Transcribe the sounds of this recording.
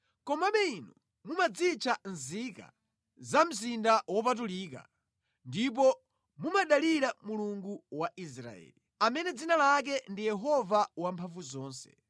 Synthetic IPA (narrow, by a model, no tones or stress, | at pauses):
kɔmaɓɛinɔ | mumad͡zit͡ʃʰan̩zika̰ | zam̩zindawɔpatuliːka̰ | ndip̬ɔ | mumaɗaliɾamuluŋɡuwaʔisɾa̰ɛ̰ːli | amɛnɛd͡zinalak̬ɛndijɛɦɔvawampʰaɱvuzɔːnsɛ̥̰